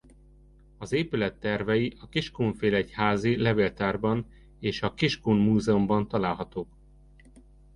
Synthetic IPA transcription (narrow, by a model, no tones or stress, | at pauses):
ɒzeːpylɛt̪ːɛrvɛjiʔɒkiʃkuːɱfeːlɛchaːzilɛveːlt̪aːrbɒn | eːʃɒkiʃkuːnmuːzɛumbɒnt̪ɒlaːlɦɒt̪oːk